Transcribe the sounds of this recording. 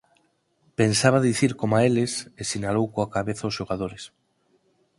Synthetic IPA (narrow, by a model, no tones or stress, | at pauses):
pensaβaðiθiɾkomaelesesinalowkoakaβeθaʊsʃoɣað̞oɾes